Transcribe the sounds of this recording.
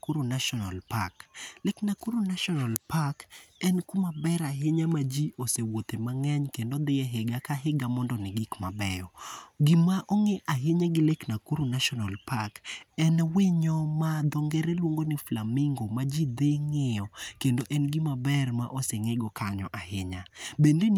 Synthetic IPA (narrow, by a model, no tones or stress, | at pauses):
kuɾonaʃɔnalpakleknakuɾonaʃɔnalpakɛnkumabɛɾaɦɪɲamad͡ʒiosewot̪emaŋɛɲkendod̪ɪɛɦɪɡakaɦɪɡamɔndɔnɪɡɪkmabɛjɔɡɪmaʔɔŋeʔaɦeɲaɡɪleknakuɾonaʃɔnalpakɛnwɪɲɔmad̪ɔŋɡɛɾelwoŋɡonɪflamɪŋɡomad͡ʒid̪eŋɪɔkendoʔɛnɡimabɛrma̰ʔoseŋeɡɔkaɲɔ̰ʔaɦɪɲabenden